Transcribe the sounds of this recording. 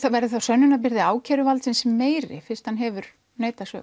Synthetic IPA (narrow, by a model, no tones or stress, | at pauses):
avɛɾðɪθawsœnːʏnap̬ɪɾðɪaːwcʰɛːɾʏvalt̪sɪnsɛmːeːjɾɪ̰fɪ̥st̪hanɦɛvʏɾ̥ | neːjt̪asœ̰ːɣ